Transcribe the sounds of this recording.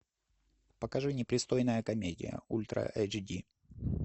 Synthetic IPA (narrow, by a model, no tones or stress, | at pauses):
pəkɐʐɨnʲɪpɾʲɪst̪o̞jnəjəkɐmʲedʲɪ̰jə̰ulʲt̪ɾə̰ʔɛd͡ʒdʲi